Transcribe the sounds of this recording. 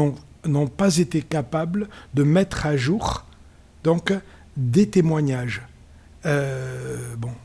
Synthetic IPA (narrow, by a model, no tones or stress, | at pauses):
ɔ̃ | nɔ̃pazet̪ekapabld̪əmɛt̪χaʒuʁ | d̪ɔ̃k | d̪et̪emwaɲaʒ | ø | bɔ̃